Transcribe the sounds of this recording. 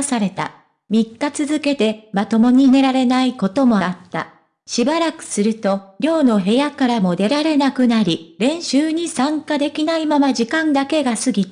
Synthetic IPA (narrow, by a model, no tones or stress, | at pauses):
saɾe̞t̪a̰ | mʲikːat͡sɨzɨke̞t̪e̞mat̪o̞mo̞ɲ̟ine̞ɾaɾe̞naiko̞t̪o̞mo̞aat̪ːa̰ | ɕibaɾakɯ̟̥sɨɾɯ̟t̪o̞ɾʲo̞ːno̞ɦe̞jakaɾamo̞d̪e̞ɾaɾe̞nakɯ̟naɾʲiɾẽ̞ɰ̃ɕɨːɲ̟isãŋkad̪e̞kʲinaimamaʑikãnd̪ake̞ɡasɨɡʲit̪